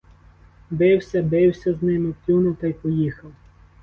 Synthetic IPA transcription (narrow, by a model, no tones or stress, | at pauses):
bɪwsʲɐbɪwsʲɐznɪmɪwt̪ʲunʊwt̪ɐjpɔjixɐw